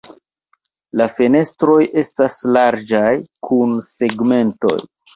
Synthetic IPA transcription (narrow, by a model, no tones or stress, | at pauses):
lafene̞stɾo̞jʔe̞staslaɾd͡ʒajkʰunse̞ɡme̞nto̞̰j